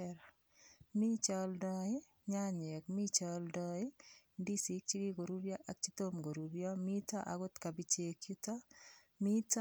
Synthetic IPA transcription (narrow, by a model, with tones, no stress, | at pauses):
ɾ | mi˦t͡ʃɔldɔ˦ɪ˦ | ɲa˦ɲɛ˨kmi˦t͡ʃɔldɔɪ˦ndi˦si˨k̚t͡ʃi˦ɡi˦ɡo˨ɾu˦ɾjɔ˦ʔa˨k̚t͡ʃitomɡo˨ɾu˨ɾjɔmi˦ta˦ʔa̰kʊ˦tka˨bi˦t͡ʃe˨kjutɔ˦ | mit